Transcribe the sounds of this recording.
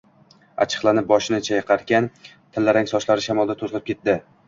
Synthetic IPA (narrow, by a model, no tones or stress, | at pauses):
a̰t͡ʃʰɨ̥qlˠanɪp̚bɒʃɪnɪt͡ʃʰajɨqʰɑɾkʲan | t̪ʰɪlːaɾɪŋsɒʃlaɾɪʃamɒlˠd̪at̪ʰozlˠɪp̚kʲʰe̞t̪̚d̪ɪ